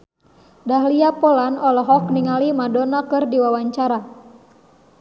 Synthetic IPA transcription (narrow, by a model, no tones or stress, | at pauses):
daɦliapɔlanɔlɔɦɔk̚niŋalimadɔnakɨrdiwawaɲt͡ʃaɾa